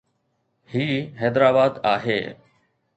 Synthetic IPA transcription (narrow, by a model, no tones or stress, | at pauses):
hiːɦɛːd̪ɾaːbaːd̪a̰ːɦḛː